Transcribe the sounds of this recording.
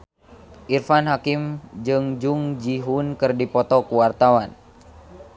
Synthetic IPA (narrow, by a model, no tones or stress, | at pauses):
ʔirfanɦakimd͡ʒɨŋd͡ʒuŋd͡ʒiɦunkɨrdipɔt̪ɔkuwart̪awan